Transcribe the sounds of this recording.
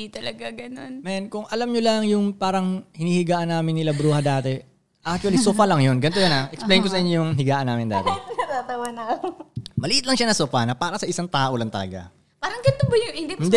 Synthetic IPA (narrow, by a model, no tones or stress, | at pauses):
it̪ɐlɐɡaɡɐno̰nmɛnkʊŋʔɐlamɲʊlɐŋjʊŋpaːɾɐŋhɪniːhɪɡaːʔɐnːaːmɪnːɪlabɾuːhɐd̪aːt̪ɛ | ʔak̚t͡ʃuɐlisoːfɐlɐŋjonɡɐnt̪ojonaʔɛksplejnkosɐʔɪɲojʊŋɦɪɡaːʔɐnaːmɪnd̪aːt̪ɛɐt̪at̪ɐwanɐ | mɐlɪʔɪt̪lɐŋʃanɐsoːfɐnɐpaːɾɐsɐʔɪsaŋt̪aːʔolɐŋt̪ɐ̰lɐ̰ɡa̰ | paːɾɐŋɡɐnt̪obɐjʊʔɪnd̪ɪɪnd̪